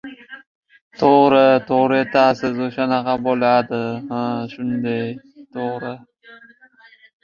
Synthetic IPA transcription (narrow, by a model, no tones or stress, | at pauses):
t̪ʰoʁɾɪt̪ʰoʁɾɪe̞t̪ʰasɪzoʃanaqɑbolad̪ɪhaʃʊnd̪aj | t̪ʰoʁɾɪ